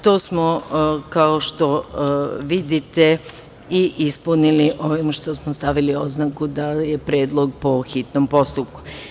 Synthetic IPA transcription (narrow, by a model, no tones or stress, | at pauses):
t̪oːsmokaoʃt̪o̞ | ʋid̪it̪e | iʔispuniliʔo̞ʋimʃt̪o̞smost̪aʋilio̞znakud̪aje̞pɾeːd̪lˠo̞ɡ̚po̞xit̪nompo̞st̪up̚ku̥